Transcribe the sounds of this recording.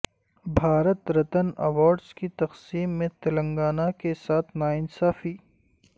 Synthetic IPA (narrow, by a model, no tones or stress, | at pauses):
bʱaːɾət̪ɾɐt̪ənɐ̰waːɾɖzkit̪ɐqsiːmːẽt̪ɐlə̃ŋɡaːnakesaːt̪ʰnaːɪnsaːfiː